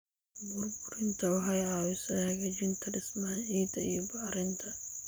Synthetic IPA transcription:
bʊrbʊɾɪnt̪ʰɐwɐɦɐjaːwɪsɐhɐɡɐd͡ʒɪnt̪ʰɐɖɪsmanʕiːt̪ʰɐijɔbɐɾɪnt̪ʰɐ

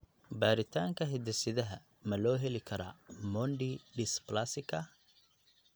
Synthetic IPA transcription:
baːɾɪt̪ʰaːŋkʰɐɦɛd̪ɛsɪðɐɦɐ | mɐlɔːɦɛlɪkʰɐɾa̰mɔnɖiɖɪsplasɪkʰɐ

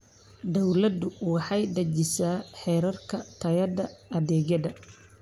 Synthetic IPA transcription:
d̪ɔwlɐd̪ʊwɑħɑjd̪ɐt͡ʃɪsaːħɛːɾɐrkʰɐt̪ʰɐjɐðɐɐðɛːɣɐðɐ

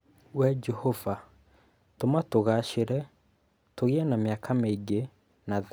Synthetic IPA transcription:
wɛd͡ʒɛhova | tomatoɣaʃeɾɛ | toɣeɛnameakʰameiɡe | na

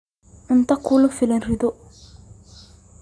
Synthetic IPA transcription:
ʔunt̪akːulofilenrid̪uʔ

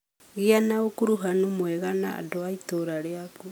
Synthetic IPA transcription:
ɣianaokuɾuɦanumwɛɣanaa̰doaitoɾaɾeaku

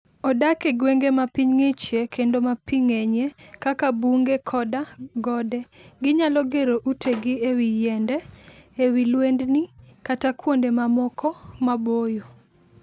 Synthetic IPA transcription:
ɔdakeɡweŋɡemapiɲŋit͡ʃekʰendomapiŋeɲekakabuŋɡekʰɔdaɡɔdɛɡɪɲalɔɡeɾoʔutʰeɡɪewijɛndɛː | wilwendnikatakwondemamɔkʰɔmabojo

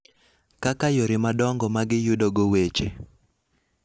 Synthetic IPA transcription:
kakajoɾɪmadɔŋɡɔmaɡɪjʊdoɡowet͡ʃḛ

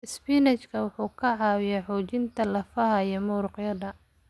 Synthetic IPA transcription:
ʔɪspinɛt͡ʃkʰɐwʊħuːkʰɐʕɑːwɪjɛħɔːt͡ʃɪnt̪ʰɐlɐfɐɦɐjɛmuːɾʊqjɐðɐ

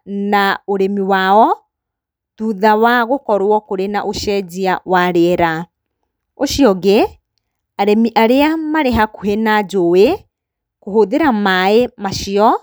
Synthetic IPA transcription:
naoɾemiwaɔ | tuðawaɣokɔɾwɔkoɾenaʔoʃɛd͡ʑiawaɾeɛɾa | oʃiɔɣe | aɾemiʔaɾeamaɾeɦakoɦenad͡ʒowe | kohoðeɾamaemaʃiɔ

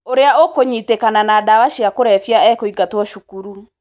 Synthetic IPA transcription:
oɾeaokoɲitekananaːdawaʃiakoɾɛfjaɛkoiɡatwɔʃukuɾu

